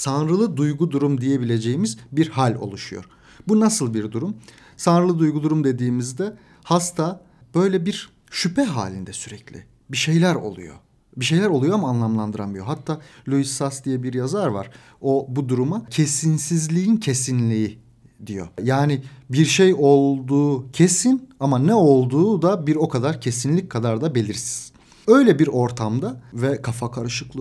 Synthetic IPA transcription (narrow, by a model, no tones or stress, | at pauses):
sanɾɯlˠɯd̪ujɡud̪uɾumd̪ije̞bilʲe̞d͡ʒe̞jimizbiɾhalʲo̰lˠuʃujo̰ɾ̥ | bunasɯlˠbiɾd̪uɾum | sanɾɯlˠɯd̪ujɡud̪uɾumd̪e̞d̪iːmizd̪ɛ | hast̪ʰa | b̥ø̞jlʲɛbiɾ | ʃypʰɛɦa̰ːlʲind̪ɛsyɾɛclʲɪ̰ | biʃe̞jlʲæɾo̞̰lˠṵjo̰ | biʃe̞jlʲæɾo̞lˠujoamaːnlˠamlˠand̪ɯɾanmɯijoɦat̪ʰːaːlʲuisasd̪ijɛbiɾjazaɾva̰ɾ̥ | obud̪uɾumacʰe̞sinsizlʲiincʰesinlʲii | d̪ijo̰jaːniɪbiɾʃejo̞lˠd̪uːcʰe̞sinamanɛo̞lˠd̪uːd̪abiɾo̞kʰad̪aɾcʰe̞sinlʲic̚kʰad̪aɾd̪abe̞lʲiɾsi̥z̥ | ø̞jlʲɛbiɾo̞ɾt̪ʰamd̪avɛkʰafakʰaɾɯʃɯklˠɯ